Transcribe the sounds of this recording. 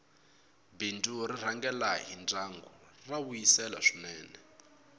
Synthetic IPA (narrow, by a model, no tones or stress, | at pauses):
binduɾir̤aŋɡɛlaɦind͡zaŋɡurawujisɛla̰ʂinɛːnɛ